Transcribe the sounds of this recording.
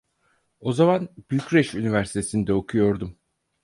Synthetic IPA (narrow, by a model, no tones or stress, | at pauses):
o̞zamanb̥ylʲcɾɛʃynivæɾsi̥t̪ʰesind̪ɛo̞kʰujo̞ɾd̪um